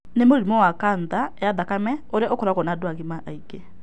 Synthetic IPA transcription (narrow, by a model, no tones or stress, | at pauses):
nemoɾimɔwakaːndaɛaðakamɛoɾeʔokɔɾaɣɔnadoaɣimaʔaiɡɛ